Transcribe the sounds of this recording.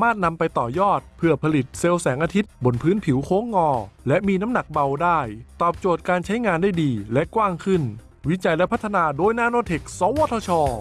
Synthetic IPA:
a˨˧maː˥˩t̪̚na˧mpa˧jt̪ɔː˨˩jɔː˥˩t̪̚pʰɯ˥˩ɐpʰa˧li˨˩t̪̚se˧wsɛː˩˦ŋʔaː˧t̪ʰi˦˥t̪̚bo˧˩npʰɯː˦˥npʰi˩˦wkʰoː˦˥ŋːɔː˧lɛ˦˥ʔmiː˧na˦˥mna˨˩k̚ba˧wdaː˥˩jt̪ɔː˨˩p̚t͡ɕoː˨˩t̪̚kaː˧nt͡ɕʰa˦˥jŋaː˧ndaː˥˩jdiː˧lɛ˦˥ʔkwaː˥˩ŋkʰɯ˥˩n | wi˦˥t͡ɕa˧jlɛ˦˥pʰa˦˥t̪ʰːa˧naː˧doː˧jnaː˧noː˧˥t̪ʰe˨˩k̚sɔː˧˥wɔː˥t̪ʰɔ˧t͡ɕʰɔː˧

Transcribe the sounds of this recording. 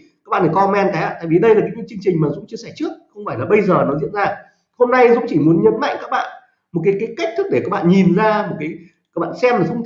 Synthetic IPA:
a˦˥k̚ɓa̰˧˨˩kɔ˧mɛ˧nt̪aː˨˦ja̰ː˧t̪a̰ː˧˨jvi˨˩ɗə˧jlaː˨˩aː˨˦jt͡ɕi˧˦t͡ɕɨ˧əŋt͡ɕï˨˩ŋ̟maː˨˩zʊ̰˧˥ŋ͡mt͡ɕɨ˧əsɛ˧˩t͡ɕɨ˦˥ək̚xə˧wŋ͡mfaː˧˩jlaː˨˩ɓə˧jzəː˨˩nɔ˨˦zḭ˧˨ənzaː˧ | ho˧mna˧jzʊ̰˧˥ŋ͡mt͡ɕi˧˩mu˨˦ə˦nɲə˨˦nma̰˧˨jŋ̟kaː˦˥k̚ɓa̰ː˧˨n | mo˨˩t̚kaː˨˦jkaː˨˦jka˦˥k̚t̪ʰɨ˦˥k̚ɗe˧˩kaː˦˥k̚ɓa̰ː˧˨nɲi˨˩nzaː˧mo˨˩t̚kaː˨˦j | aː˦˥k̚ɓa̰ː˧˨nsɛ˧mla˨˩zʊ̰˧˥ŋ͡m

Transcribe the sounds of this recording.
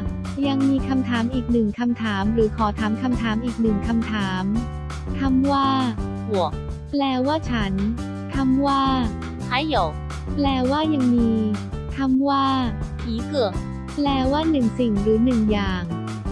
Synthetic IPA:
ja˧ŋmiː˧kʰa˧mt̪ʰaː˩˦mʔiː˨˩k̚nɯ˨˩ŋkʰa˧mt̪ʰaː˩˦mɾɯː˩˦kʰɔː˩˦t̪ʰaː˩˦mkʰa˧mt̪ʰaː˩˦mʔiː˨˩k̚nɯ˨˩ŋkʰa˧mt̪ʰaː˩˦m | t̪ʰa˧˥mwaː˥˩ | hu˨˩˦ək̚ | plɛː˧waː˥˩t͡ɕʰa˦˥n | t̪ʰa˧˥˩mwaː˥˩ | a˧˥˩jw | plɛː˧waː˥˩ja˧ŋmiː˧t̪ʰa˧˥˩mwaː˥˩ | iː˨˦kɯ˨˩ək̚ | plɛː˧waː˥˩nɯ˨˩ŋsi˨˩ŋɾɯː˩˦nɯ˨˩ŋjaː˨˩ŋ

